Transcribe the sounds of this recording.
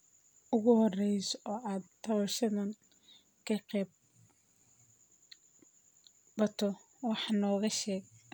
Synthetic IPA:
ʔʊɣʊhɔrɛjsʔɔːʔaːd̪t̪ʰːɐβɐʃɐðɐn | kʰɐqɛːb | bɐt̪ʰɔ | wɑħnɔːɣɐʃɛːɡ

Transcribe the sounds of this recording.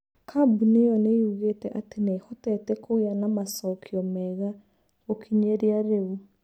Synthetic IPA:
kʰabunejɔnejuɣetɛʔatenehotɛtɛkoianamasɔkʰiɔmɛɣa | ɣokʰiɲeɾiaɾeu

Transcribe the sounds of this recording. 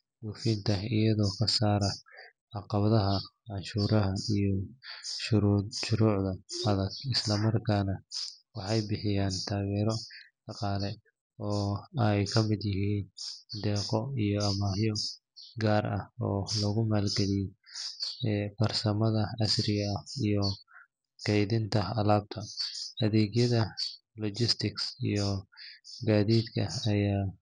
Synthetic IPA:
duːfint̪ʰɐɪjɐðɔːkʰɐsaːɾɐ | ʕɑqɑβɐðɐɦɐ | ʕɑnʃuːɾɐɦɐijɔʃʊɾʃʊɾuːʕðɐɐðɐɡɪslɐmɐrkʰaːnɐwɑħɑjbɪħɪjaːnt̪ʰaːɣɛːɾɔd̪̥ɑqɑːlɛ | ɔːjkʰɐmɪd̪jɪɦiːnd̪ɛːqɔijɔɐmaːjɔ | ɡaːrɐ̰hɔ̰ːlɐɣʊmaːlɡɛlɪj | fɐrsɐmɐðɐɐsrɪɣɐɐijɔ | kʰɛjðɪnt̪ʰɐɐlaːb̚t̪ʰɐɐðɛːɡjɐðɐlɔt͡ʃɪst̪ʰɪksḭjɔ | ɡaːðiːd̪kʰɐ̰ɐjaː

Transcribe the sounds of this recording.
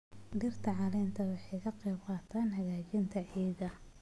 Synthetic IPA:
ɖɪrt̪ʰɐʕɑlɛːnt̪ʰɐwɑħɑjkʰɐqɛjbqɑːt̪ʰaːnɦɐɣaːt͡ʃɪnt̪ʰɐʕɛɣɐ

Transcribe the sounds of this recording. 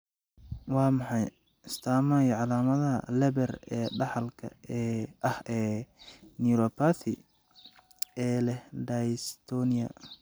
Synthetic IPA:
wɑːmɑħɑj | ɪst̪ʰaːmɐjʕɑlaːmɐðɐɐ̰lɛβɛrɛːɖɑħɑlkʰɐ̰ɛʔɐhɛːniɾɔpʰaθɪ | ɛːlɛhɖajst̪ʰɔniɐ̰

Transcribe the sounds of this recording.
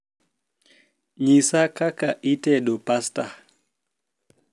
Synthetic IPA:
ɲisakakaʔitɛɗɔpasta

